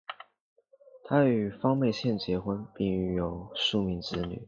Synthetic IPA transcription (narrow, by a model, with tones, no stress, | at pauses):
t̪ʰa˥y˨˩fɑ˥ŋme˥˧ɪɕjɛ˥˩nt͡ɕjɛ˧˥xwə˥npi˥˩ŋy˥˩jo˨˩ʊʂu˥˧mi˥˧ŋt͡sɹ̩˥ny̰˨˩˦